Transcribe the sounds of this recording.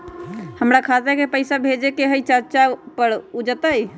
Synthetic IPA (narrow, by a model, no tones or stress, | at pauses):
həmɾakʰat̪ekepəɪsabʱed͡ʒekeɦəjt͡ʃəɾt͡ʃapəɾud͡ʒət̪əj